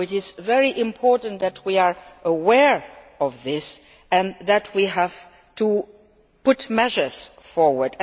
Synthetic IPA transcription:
ɪt͡ʃɪzvɛɹiʔɪ̃mpʰɔɹʔn̩tðɨt̚ʰwiə˞ʔəwɛɹ | ɔvðɪs | ɨ̃nðɨt̚ʰwiɦæv̥ | tʰu | pʊtmɛʒə˞z̥fɔɹwə˞d

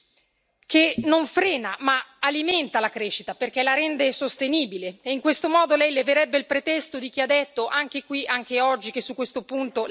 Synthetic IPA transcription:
k̟enoɱfɾɛːnamaalimɛnt̪alakɾeːʃːit̪aperk̟elaɾɛnd̪esost̪eniːbileeiŋkwest̪omɔːd̪olɛjleveɾɛbːeilpɾet̪ɛst̪od̪ik̟iad̪ːɛt̪ːoʔaŋk̟ekwiʔaŋk̟eɔd͡ʒːik̟esːukːwest̪opunt̪o

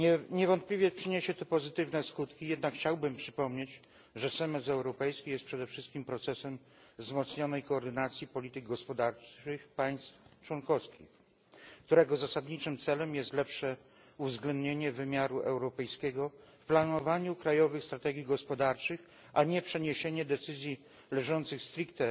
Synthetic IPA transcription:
ɛɲɛvɔnt̪plʲivʲjɛpʂɘɲeɕɛt̪ɛpɔzɘt̪ɘvnɛskut̪kʲijɛd̪̚nakxt͡ɕawbɘmpʂɘpɔmɲet͡ɕ | ʐɛsɛmɛsɛwɾɔpɛjskʲijɛst̪pʂɛd̪ɛfʂɘst̪kʲimpɾɔt̪sɛsɛm | vzmɔt̪sɲɔnɛjkɔːɾd̪ɘnat̪sʲjipɔlʲit̪ɘɡɡɔspɔd̪aɾɘxpaj̃st̪ft͡ʂwɔnkɔfskʲḭx | kt̪uɾɛɡɔzasad̪ɲit͡ʂɘmt̪sɛlɛmjɛst̪lɛpʂɛ | uvzɡlɛnd̪ɲeɲɛvɘmʲjaɾuʔɛwɾɔpɛjskʲɛɡɔfplanɔvaɲukɾajɔvɘxst̪ɾat̪ɛɡʲjiɡɔspɔd̪aɾt͡ʂɘx | aɲɛpʂɛɲeɕeɲɛd̪ɛt̪sɘzʲji | lɛʐɔnt̪sɘxst̪ɾikt̪ɛ

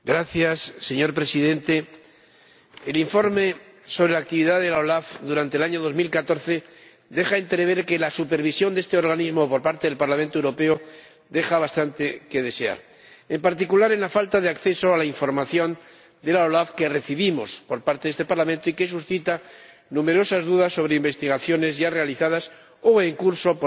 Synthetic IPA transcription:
ɡɾaθjasːe̞ɲo̞ɾpɾesiðe̞nt̪e̞ | eliɱfo̞ɾme̞ | soβɾelak̚t̪iβiðaðe̞laolafd̪uɾant̪elaɲo̞ð̞o̞zmilkat̪o̞ɾθe̞ | d̪e̞xaent̪ɾe̞βe̞ɾke̞lasupe̞ɾβisjo̞nd̪e̞st̪eo̞ɾɣ̞anizmo̞po̞ɾpaɾt̪e̞ðe̞lpaɾlament̪owɾo̞peo | d̪e̞xaβast̪ant̪e̞ke̞ð̞e̞se̞a̰ɾ | empaɾt̪ikulaɾenlafalt̪að̞eakθe̞so̞alaiɱfo̞ɾmaθjo̞n | d̪e̞laolafke̞re̞θiβ̞imo̞spo̞ɾpaɾt̪eðest̪e̞paɾlamẽnt̪oike̞s̬usθit̪a | nũme̞ɾo̞sazðuðasːo̞βɾeimbe̞st̪iɣ̞aθjo̞ne̞zʝare̞aliθað̞as | oeŋkuɾso̞p

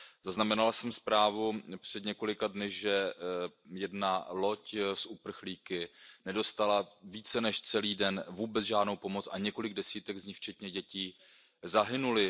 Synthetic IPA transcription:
zaznamɛnalasɛmspɾaːvupr̝̥ɛdɲɛko̞lɪkadnɪʒɛ | jɛdnalo̞csʔupr̩xliːkɪnɛdo̞st̪alaviːt͡sɛnɛʃt͡sɛliːdɛnvuːbɛt͡sʒaːdno̞wpo̞mo̞t͡saɲɛko̞lɪɡdɛsiːt̪ɛɡzɲɪxft͡ʃɛt̪ɲɛɟɛciː | zaɦɪnulɪ

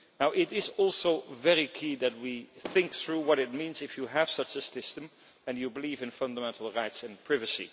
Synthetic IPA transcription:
naʊʔɪɾɪzɔlˠsoʊvɛɹikʰiðɨt̚wiθɪ̃ŋk̚θɹuwʌɾɨt̚mĩnzɪfjɨəv̥sʌt͡ʃɨsɪstə̃m | ɨ̃njɨbəlivɨ̃nfʌ̃ndəmɛ̃ntʰl̩ˠɹaɪtsɨ̃npʰɹ̥ɪvɨsḭ

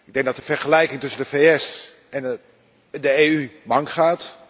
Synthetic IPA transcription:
ɪɡ̚dɛŋɡ̚dɔtəfɛrχəlɛjkɪŋtɵsəndəfeːɛs | ɛn | dəeːymɑŋkχaːt

